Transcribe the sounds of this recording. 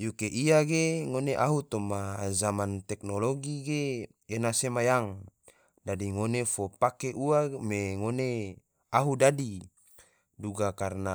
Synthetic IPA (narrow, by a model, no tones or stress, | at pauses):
jukeʔiaɡeŋoneʔaɦut̪omazamant̪ɛknoloɡiɡe | enasemajaŋ | dadiŋonefopakeʔuameŋone | aɦudadi | duɡakarna